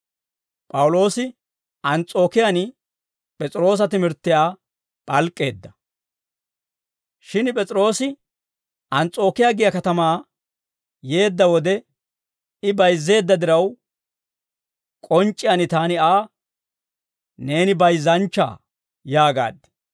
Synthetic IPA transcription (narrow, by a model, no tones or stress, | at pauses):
pʼɐwʊlo̞ːsɪ | ʔɐnt͡sʼo̞ːkɪjan | pʼɛt͡sʼɪɾo̞ːs̬ɐt̪ɪmɪɾt̪ːɪjaː | pʼɐlkʼːe̞ːd̪ːɐ | ʃɪnpʼɛt͡sʼɾo̞ːsɪ | ʔɐnt͡sʼo̞ːkɪjaɡɪjɐkɐt̪ɐmaː | je̞ːd̪ːɐwɔd̪ɛ | ɪbɐjzːe̞ːd̪ːɐd̪ɪɾɐw | kʼɔnt͡ʃʼːɪjanɪt̪aːnɪaː | ne̞ːnɪbɐjzːɐnt͡ʃːa̰ː | jaːɡa̰ːd̪ːɪ̥